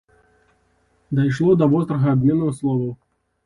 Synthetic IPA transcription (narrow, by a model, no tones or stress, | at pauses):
d̪ɐjʂ̬lˠɔd̪ɐvɔst̪ɾɐɣɐːbʲmʲɛnːɐɣɐslˠɔvɐw